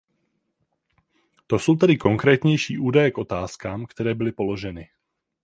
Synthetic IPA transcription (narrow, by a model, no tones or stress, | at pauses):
t̪osuwt̪ɛdɪkoŋkɾɛːt̪ɲɛjʃiːʔuːdajɛkot̪aːskaːmkt̪ɛɾɛːbɪlɪpoloʒɛnɪ